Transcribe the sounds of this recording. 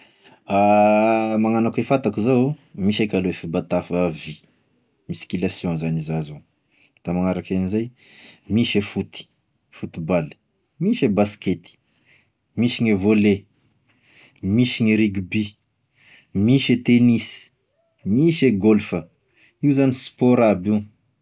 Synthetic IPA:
a | maŋanakefat̪akuzawmiʃekʲaloefibat̪afəvi | miskilasjɔ̃zanizazo | d̪̥amaŋaɾakanizaj | miʃefut̪i̥ | fut̪ibali̥ | miʃebasket̪i̥ | miʃiŋevole | miʃiɲiɾiɡbi | miʃet̪enis | miʃeɡɔlfə | iuzanispoɾabiw

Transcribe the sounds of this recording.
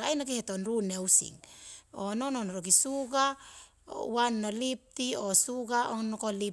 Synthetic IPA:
ajnoɡihet̪onɾunewsḭŋonononoɾoɡisuɡa̰ | uanːolip̚t̪iosuɡaʔonokoli

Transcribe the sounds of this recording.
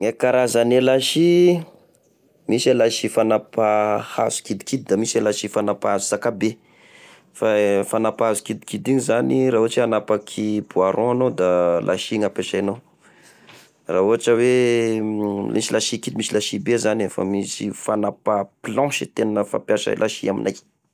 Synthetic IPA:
ŋekaɾazanelaʃi | misalaʃifanapahaz̥u̥kid̪ikid̪̚id̪amisalaʃifanapaazu̥sakabe | fafanapaɦazu̥kid̪ikid̪iɲzaniɾaɦuaʈ͡ʂianapakʰibuaɾʔɔ̃anod̪alʔa̰ʃiŋapeʃajnow | raɦuaʈ͡ʂəwe | misilʔaʃikid̪imisilaʃibezanefa̰misifanapaplɔ̃ʃit̪enəfã̰mpjaʃa̰lʔaʃiamḭnaj

